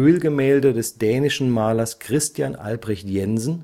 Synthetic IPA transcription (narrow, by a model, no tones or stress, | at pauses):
øːlɡəmɛːldədɛsd̥ɛːnɪʃn̩maːlɐskʁ̥ɪstjanʔa̰lbʁɛçtjɛnzn̩